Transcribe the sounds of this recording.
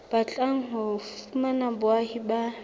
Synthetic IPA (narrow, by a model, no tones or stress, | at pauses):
b̥at͡ɬʼaŋ̩ɦʊfumanabʊahiba